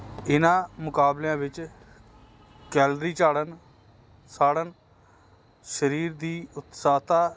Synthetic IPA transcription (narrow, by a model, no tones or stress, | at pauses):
ɪnãːmʊkaːblãːʋɪt͡ʃ | kɛːlɾiːt͡ʃaːɽən | saːɽən | ʃəɾiːɾd̪iːʊt̪saːt̪aː